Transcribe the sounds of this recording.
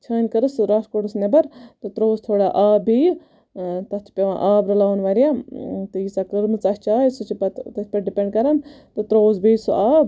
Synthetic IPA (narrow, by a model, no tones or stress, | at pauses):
t͡ʃʰɐːnʲkɐɾɨsɾaːʂkoʈɨsnɐbɐɾt̪ɨt̪ɾoːzt̪ʰoːɽaʔaːbij | t̪ɐt̪ʰi̥pʲeʋã̰ːʔaːbɾɐlaːnʋaɾijat̪ɨjisaːkəɾmɨt͡sɐst͡ʃaːjsut͡ʃʰipɐt̪ɐt̪ʰʲpɐʈɖipʲeɳɖkɐɾant̪ɨt̪ɾoːzbiːsuaːb